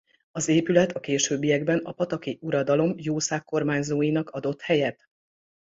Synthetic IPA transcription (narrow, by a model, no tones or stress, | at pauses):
ɒzeːpylɛt̪ɒkeːʃøːbːijɛɡbɛnɒpɒt̪ɒkiʔuɾɒd̪ɒlo̞mjoːsaːkːo̞rmaːɲzoːjinɒkɒd̪o̞t̪hɛjɛt̪